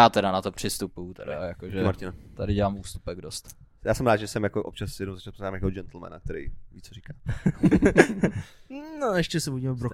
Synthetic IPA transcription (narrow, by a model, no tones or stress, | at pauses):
aːt̪ɛɾanat̪opr̝̥ɪst̪upujut̪ɛda̰ajakoʒɛmaɾcɪnat̪adɪɟɛlaːmʔuːst̪u̥pɛɡdost̪ | jaːsɛmɾaːd̪ʒɛsɛmjakoʔop̚t͡ʃasːjɛdnowzat͡ʃatpznaːmjakod͡ʒɛnt̪l̩mɛ̰na̰k̚t̪ɛɾɛ̰jviːt͡soɾikaː | noɛʃcɛsɛbuɟimɛbɾo